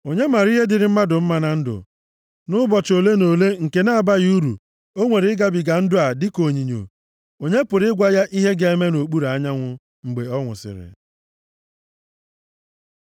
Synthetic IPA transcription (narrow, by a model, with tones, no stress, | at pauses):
o˨ɲe˦ma˨ɾi˦ɦe˦dɪ˨ɾɪ˨m̩˦ma˦dʊ˨m̩˦ma˦na˨n̩˦dʊ̰˨ | nʊ˦bɔ˨t͡ʃo˨le˦no˨le˦ŋ̩˨ke˨na˦a˨ba˦ɣu˦ɾṵ˨ | o˦ŋʷe˨ɾɪ˦ɡa˦bɪ˨ɡa˨n̩˦dʊ˦a˨dɪ˦ko˨ɲi˨ɲo̰˨ | o˨ɲe˦pʊ˨ɾɪ˦ɪ˦ɡʷa˦ja˦ʔi˦ɦe˦ɡe˨e˦me˦no˨k͡pu˦ɾa˨˦ɲa˦ŋʷʊ˦ | ŋ͡m̩˨ɡ͡be˨ɔ˦ŋʷʊ̰˨sɪ̰˨ɾɪ̰˨